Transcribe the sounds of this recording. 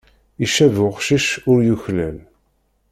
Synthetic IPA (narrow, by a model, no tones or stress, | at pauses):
iʃævʊʁʃiʃʊɾjuçlæl